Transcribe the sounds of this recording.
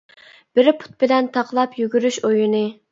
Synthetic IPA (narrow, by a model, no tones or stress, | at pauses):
b̥ɪɾpʰʊ̥t̪̚bɪlɛnt̪ʰɑqlˠɑpjyɡʲyɾyʃojunɨ